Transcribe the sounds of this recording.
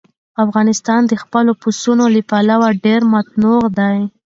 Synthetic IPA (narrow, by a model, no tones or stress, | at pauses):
afɣɑnɪst̪ɑnd̪əxpəlopusunolipalawaɖeɾmat̪̚nuɣd̪aj